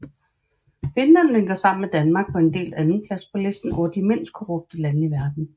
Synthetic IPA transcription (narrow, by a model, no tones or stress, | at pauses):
fe̝nlænleŋɡ̥ɐsɑ̈m̰n̩med̥ænmɑ̈ːɡ̥̚pʰɒ̽e̝nd̥e̝̰ːlænn̩pʰlæspʰɒ̽lesd̥n̩ɒ̰ːd̥ime̝n̰sd̥̚kʰoʁɔ̽b̥̚d̥əlænəiʋæɐd̥n̩